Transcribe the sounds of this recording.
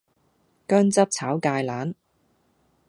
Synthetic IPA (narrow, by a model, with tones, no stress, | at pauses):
kœː˥ŋt͡sɐ˥p̚t͡sʰaː˨˥wkaː˧jlaː˨˥n